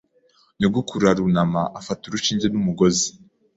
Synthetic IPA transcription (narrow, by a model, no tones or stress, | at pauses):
niɡukʰuɾaɾunamaʔafatuɾuʃiːɲɟenumuɡozi